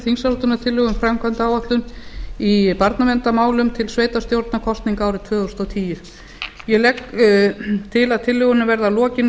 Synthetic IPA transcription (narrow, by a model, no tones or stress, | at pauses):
θinsalt̪ʏnat̪ʰɪlːʏɣʏmfɾamkʰant̪aːwvaht̪lʏnipaɾt̪navɛnt̪amaːwlʏmt̪ʰɪlsveːjt̪ast̪jowɾt̪nakʰɔst̪niŋkaːwɾɪt̪ʰvœːðʏst̪ɔwt̪ʰiːjʏɾ | jɛlɛk | t̪ʰɪlaðt̪ʰɪlːʏɣʏnɪvɛɾðalɔːcɪn